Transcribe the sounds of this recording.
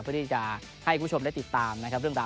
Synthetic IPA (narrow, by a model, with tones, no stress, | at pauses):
pʰɯ˥˩ə˩t̪ʰi˥˩t͡ɕa˨˩ | ha˥˩jkʰːuː˨˩˦o˧m˧a˥˩jt̪i˨˩t̪ːaː˧mna˦˥kʰa˥p̚ɾɯ˥˩əŋɾaː˧